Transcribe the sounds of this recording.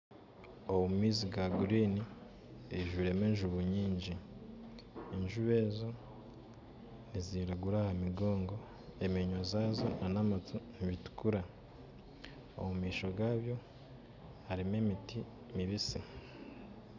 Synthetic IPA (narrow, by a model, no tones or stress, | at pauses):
oβuumiːziɡaɡuɾiːni | iʒwiɾe̞meɲʒuβuɲiːɲɟi | ɲʒuβe̞ːzo̞ | niziɾaɡuɾahamiɡo̞ːŋɡo̞ | emiɲozaːzo̞nanamatumβitu̥kuɾa | o̰mumiːʃo̞ɡaːβjo̞ | haɾime̞miti | miβisi